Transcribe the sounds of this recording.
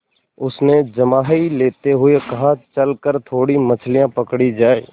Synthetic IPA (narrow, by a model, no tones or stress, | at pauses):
ʊsned͡ʒɐmaːɦileːt̪eɦʊekɐɦãt͡ʃɐlkəɾt̪ʰoːɽimɐt͡ʃʰlijãpɐkɽid͡ʒaːeː